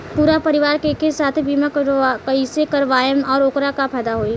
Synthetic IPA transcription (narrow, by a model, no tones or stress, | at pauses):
puːɾapɐɾɪʋaːɾkekesaːt̪ʰbiːmakkɐisekɐɾʋaːjəmɔːɾʊkɾakapɛːd̪aɦoːiː